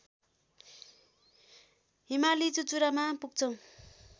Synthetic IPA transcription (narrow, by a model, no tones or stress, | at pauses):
ɦimalid͡zut͡suɾamapuɡ̚t͡sʰʌw̃